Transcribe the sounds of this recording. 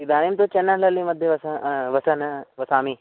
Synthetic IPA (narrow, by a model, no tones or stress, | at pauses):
d̪aːnimt̪ot͡ʃɐnːɐlɐlĩmɐd̪ʱjeʋɐsʋɐsɐnʋɐsaːmiː